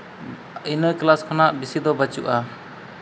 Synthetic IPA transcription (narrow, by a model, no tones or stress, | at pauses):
inəklaskʰanaʔbisid̪ɔbat͡ʃuʔa